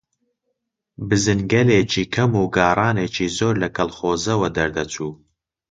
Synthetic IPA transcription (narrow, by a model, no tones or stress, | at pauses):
bɨzɨnɡɐleːt͡ʃʰiːkʰɐmuːɡɑːrˤɑːneːt͡ʃʰiːzoːɾlɐkʰɐlχoːzɐwɐd̪ɐɾd̪ɐt͡sʰuː